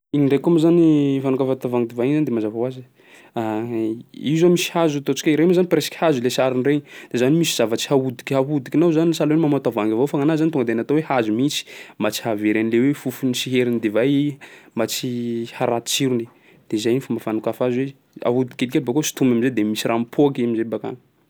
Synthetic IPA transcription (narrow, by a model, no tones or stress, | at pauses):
iniɳɖ͡ʐekoamizanifanukafat̪avaŋd̪evainzand̪emazavwazi | a | izomisi̥hazut̪ot͡ʃi̥kʲaiɾemzanipreskʲi̥hazilesaɾinreɲid̪̥ezanimisiz̥avət͡si̥haud̪i̥kʲhaɦud̪ikʲinazanisalenmamat̪avaŋɡʲavofaŋanazanit̪uŋɡəd̪eanat̪owehazumit͡si̥mat͡si̥haveɾanilewefufunisiɦeɾinid̪evajmat͡sihaɾat̪i̥t͡ʃiɾuni | d̪̥ezajnifumafanukafazwe | a̰ɦud̪i̥kʲelikelbakosi̥t̪umamized̪emisiɾampʰoakiamizebaka̰ŋə